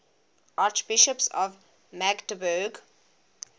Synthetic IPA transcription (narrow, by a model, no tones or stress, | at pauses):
ʔat͡ʃbɪʃəpsɔ̰v | mækdəbəɡ